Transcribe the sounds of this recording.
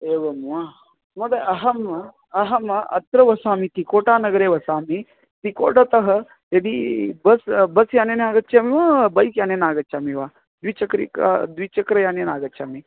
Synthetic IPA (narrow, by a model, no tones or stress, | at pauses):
eːʋɐmuaː | mɐd̪eʔɐɦɐmɐ | ɐɦɐmɐɐ̰t̪ɾɐʋɐsaːmit̪ikoːʈaːnɐɡɾeːʋɐsaːmi | t̪iko̰ːɖɐt̪ɐɦɐ | j̪ɐd̪ibɐsbɐsjaːnenaːɡɐt͡ʃamiʋabɐjkjaːnenaːɡɐt͡ʃaːmiʋaː | d̪it͡ʃɐkɾḭka̰d̪ʋit͡ʃɐkɾɐjaːnenaːɡɐt͡ʃʰaːmi